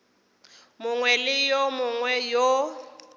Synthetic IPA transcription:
mʊŋwɛlɪjomʊŋwɛjo

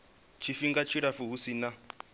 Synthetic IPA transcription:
t͡ʃʰifiŋɡat͡ʃʰiɾafuɦusina

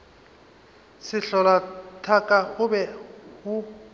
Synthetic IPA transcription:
sɪɬɔlatʰakʼaɣʊbɛhʊ

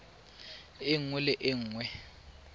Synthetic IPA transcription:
ɪŋulɪʔɪŋwɛ

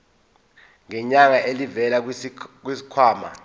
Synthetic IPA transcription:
ŋɛɲaŋaʔelivɛlak̬wisi̥kʰwaːma̰

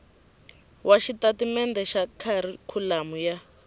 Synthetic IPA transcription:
wʔaʃitatimɛndɛʃakʰaɾikʰulamuja

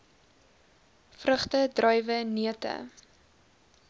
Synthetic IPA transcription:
frəχtədrœjvəniətə̰

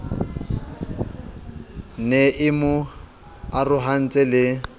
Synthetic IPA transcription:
neʔɪmʊ | arʊɦan̩t͡sʼɛlɪ

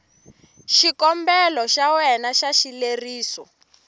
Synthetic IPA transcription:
ʃikɔmbɛlɔʃawɛnaʃaʃileriːsɔ

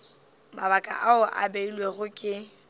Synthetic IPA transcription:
mabakʼa̰ʔaʊʔa̰beilweɣʊkʼɪ

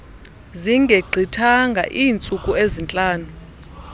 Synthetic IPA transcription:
ziŋɡʱeɡ͡ǀʱitʰaŋɡʱa̰ʔiːnt͡sʼukʼuezint͡ɬʼaːnu

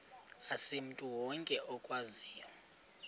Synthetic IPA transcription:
asem̩tʼuwɔŋkʼɛʔɔkʼwaziːjɔ

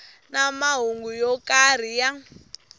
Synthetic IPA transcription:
namaɦuŋɡujɔkar̤ija

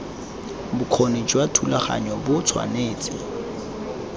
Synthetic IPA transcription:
bʊkʰoned͡ʒwatʰulaχa̰ɲɔbʊt͡sʰwa̰neːt͡sʼɪ

